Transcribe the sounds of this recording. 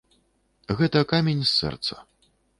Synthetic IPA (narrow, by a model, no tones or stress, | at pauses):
ɣɛt̪ɐkamʲenʲsːɛ̰rt̪sɐ̥